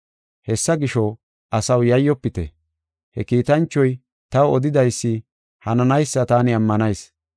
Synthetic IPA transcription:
hɛsːɐɡɪʃɔ | ʔɐsɐwjɐjːɔpːɪt̪ɛ̰ | hɛkiːt̪ɐnt͡ʃːɔj | t̪ɐwɔd̪ɪd̪ɐjsːɪ | hɐnɐnɐjsːɐt̪aːnɪɐmːɐnɐjs

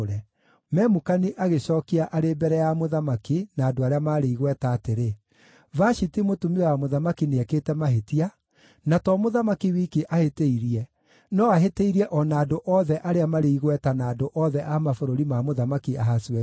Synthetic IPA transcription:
ɾɛ | mɛmukaniʔaɣeɕɔːkiaʔaɾebɛɾɛjamoðamakinaːdoaɾeamaɾeiɣwɛtaːteɾe | vaʃitimotumiɛwamoðamakineɛkeːtɛmaɦetia | natɔmoðamakiwiːkeʔaheteiɾiɛ | nɔaɦeteiɾiɛʔɔnaːdoʔɔðɛʔaɾeamaɾeiɣwɛtanaːdoʔɔðɛʔamafoɾoɾimamoðamakiaɦasiɛ

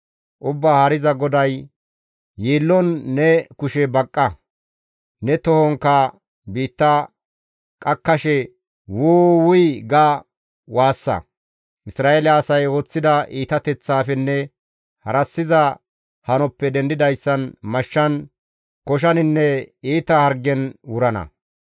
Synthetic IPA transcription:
ʔʊbːaːhɐɾɪzɐɡɔd̪ɐj | jiːlːɔnːɛkʊʃɛbɐkʼːɐ | nɛt̪ɔhɔŋkːɐ | biːt̪ːɐ | kʼɐkːɐʃɛ | wʊːwʊjɡa | waːsːɐ̰ | ʔɪsɾaːʔelaːsɐjoːt͡sːɪd̪ɐʔiːt̪ɐt̪ɛt͡sːaːfɛnːɛ | hɐɾɐsːɪzɐ | hɐnɔpːɛd̪ɛnd̪ɪd̪ɐjsːɐnmɐʃːɐn | kɔʃ̬ɐnɪnːɛiːt̪ɐhɐɾɡɛnwʊɾɐnɐ̰

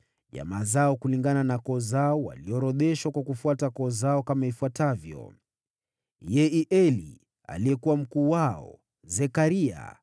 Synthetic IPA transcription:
ʄa̰mazaɔkuliŋɡananakɔːzaɔwa̰liɔɾɔɗɛʃwakwakufuatakɔːzaɔkamaifuatavjɔ̰ | jɛiʔɛlḭ | a̰liɛkuwam̩kuːwaɔ̰ | zɛkaɾia̰

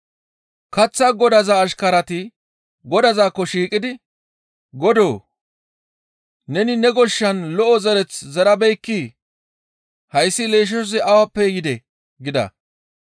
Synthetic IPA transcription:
kɐt͡sːɐɡɔd̪ɐzaːʃkɐɾɐt̪ɪ | ɡɔd̪ɐzaːkːɔʃiːkʼɪd̪ɪ | ɡɔd̪oː | nɛnɪnɛɡɔʃːɐnlɔʔɔzɛɾɛt͡szɐɾɐbɛjkːiː | hɐjsːɪle̞ːʃ̬ɛʃɔs̬ɪɐwɐpːɛjɪd̪ɛ | ɡɪd̪ɐ̰

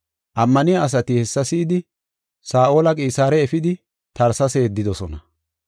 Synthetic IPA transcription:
ʔɐmːɐnɪjaːs̬ɐt̪ɪhɛsːɐsiːd̪ɪ | saːʔo̞ːlɐkʼiːsaːɾɛɛfɪd̪ɪ | t̪ɐɾsɐse̞ːd̪ːɪd̪ɔsɔnɐ

